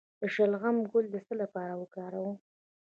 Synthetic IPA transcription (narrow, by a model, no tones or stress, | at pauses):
d̪əʃalɣamɡʊld̪əst̪əlapɑɾawəkɑɾawu